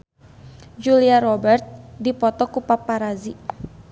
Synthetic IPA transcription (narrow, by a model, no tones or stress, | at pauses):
d͡ʒuliaɾɔbɛrt̪̚dipɔt̪ɔkupapaɾazi